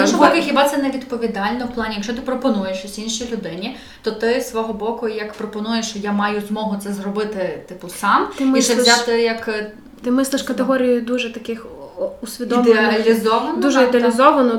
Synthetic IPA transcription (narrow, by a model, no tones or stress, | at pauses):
ɔʃɔbɔkʲixʲibɑtsɛnɛʋʲid̪pɔʋʲid̪ɑlʲnɔwplˠɑnʲijɐkʃt͡ʃɔt̪ɪpɾɔpɔnujeʃsʲinʃilʲʊd̪ɪnʲi | t̪ɔt̪ɪsʋɔɦɔbɔkʊjɐkpɾɔpɔnujeʃt͡ʃɔjamɑjʊzmɔɦʊt̪sɛzrɔbɪt̪ɪt̪ɪpʊsɑmt̪ɪmist͡ʃɛat̪ɪjɐk | t̪ɪmɪslˠɪʃkɐt̪eɦɔɾʲijʊd̪uʒɛt̪ɐkɪxusʲʋʲid̪ɔmd̪eɐlʲizɔʋɐnd̪uʒɛid̪eɐlʲizɔʋɐnɔ